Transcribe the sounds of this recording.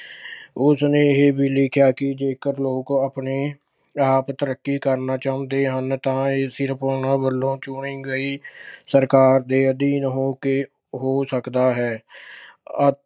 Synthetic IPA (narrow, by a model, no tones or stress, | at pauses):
ʊsnẽːɦeːbʱiːlɪkʰjaːkɪd͡ʒeːkəɾloːkaːpneː | aːpt̪əɾəkːiːkəɾnaːt͡ʃaːʊ̃nd̪eːɦənt̪ãːeːsɪɾpoːɳaːbəlːõːt͡ʃʊɳɪ̃ŋɡəiːsəɾkaːɾd̪eːəd̪iːnɦoːkeː | ɦoːsəkd̪aːɦɛː | ə